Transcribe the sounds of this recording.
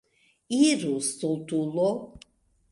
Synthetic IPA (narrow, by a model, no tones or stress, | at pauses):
iɾust̪ult̪ulɔ